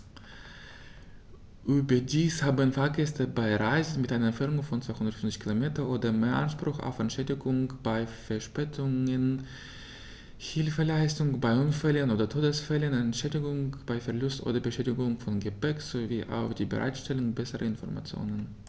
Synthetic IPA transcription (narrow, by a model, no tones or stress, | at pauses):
ʔyːbɐdiːshaːbənfaːɐɡɛstəbaɪʁaɪzn̩mɪtʔaɪnɐfyʁʊŋfɔnt͡sv̥aɪhʊndɐtfɪnt͡sɪçkʰilomeːtɐʔoːdɐmeːɐʔa̰nʃpʁ̥ʊxa̰ʊfɛ̰ntʃɛːdɪɡʊŋb̥aɪfɛɐʃpɛːtʰʊŋən | hɪlfəlaɪstʊŋbaɪʔʊnfɛlənʔoːdɐtʰoːdəsfɛlənɛntʃɛːdɪɡʊŋb̥aɪfɛɐlʊstʔo̰ːdɐbəʃɛːdɪɡʊŋfɔnɡəpɛkz̥ovḭːʔa̰ʊfd̥iːbə̰ʁa̰ɪtʃtɛlʊŋbɛsəʁɐɪnfɔ̰ʁma̰t͡sjo̰ːnən